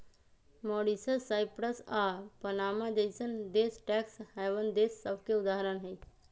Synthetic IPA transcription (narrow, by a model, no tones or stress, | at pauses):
mɔːɽisəsaːɪpɾəsaːpənaːmad͡ʒeɪsənd̪eːsʈɛːksɦɛːʋənd̪eːsːəbʱkeʊd̪aːɦəɾənɦɛi